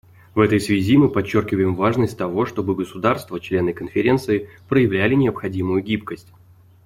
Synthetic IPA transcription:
vɛt̪əjsvʲɪzʲimɨpɐt͡ɕːo̞rkʲɪvəjɪmvaʐnəsʲtʲt̪ɐvo̞ʂt̪o̞bɨɡəsʊd̪arst̪vət͡ɕlʲe̞nɨkənfʲɪɾʲe̞nt̪sɨɪpɾəjɪvlʲælʲɪnʲɪəpxɐdʲimʊjʊɡʲipkəsʲtʲ

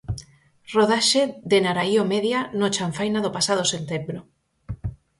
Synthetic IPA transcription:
roðaʃeðenaɾaiomeðjanot͡ʃaɱfajnaðopasaðosent̪embɾo

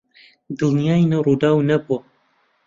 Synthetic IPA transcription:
d̪ɨlˠnjaːinɐwrud̪aːwnɐbuɐ

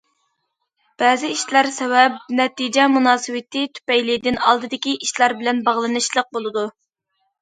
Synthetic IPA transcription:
b̥ɛːzɪiʃlæɾsɛwɛp̚nɛt̪id͡ʒɛmunɑːsɨwɪt̪ʰɪt̪ʰy̥pɛjlɪd̪ɪnɑlˠd̪ɨd̪ɪkʲiʔiʃlæɾbɪlɛnbɑʁlˠɨnɨʃlˠəq̚bolˠɨd̪u

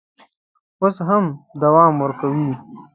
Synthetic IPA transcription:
ʊsɦɐmd̪ɐwaːmwɐɾkɐwiː

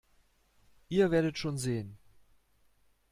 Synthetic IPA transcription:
ʔiːɐveːɐdətʃoːnzeːən

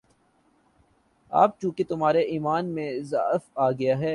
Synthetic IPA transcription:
a̰ːp̚t͡ʃũːket̪ʊmɦaːɾeʔiːmaːnmẽza̰faːɡɐjaɦɛː

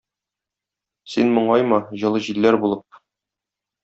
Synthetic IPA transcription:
sinmŏɴɑjmɤʑɤ̆lˠɤʑilːæɾbulˠɤp̚

